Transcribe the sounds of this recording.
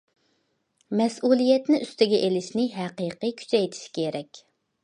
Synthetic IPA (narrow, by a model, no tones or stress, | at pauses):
mɛsʔulˠijɛt̪nɪʔyst̪ɪɡʲɛʔelɪʃnɪɦɛqiqɨkʲʰy̥t͡ʃʰɛjt̪ʰɪ̥ʃkʲʰeɾɛkʲ